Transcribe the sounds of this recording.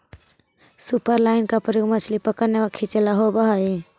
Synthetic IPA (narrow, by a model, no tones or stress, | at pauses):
supəɾlaːɪnkapəɾjoɡmət͡ʃʰlipəkəɾneəkʰit͡ʃelaɦobəɦai